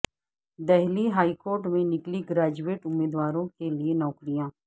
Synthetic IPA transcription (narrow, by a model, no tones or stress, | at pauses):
d̪ɛɦliɦaːikoːɾʈmẽnɪkliɡɾaːd͡ʒueːʈʊmːeːd̪waːɾõkelienɔːkɾijãː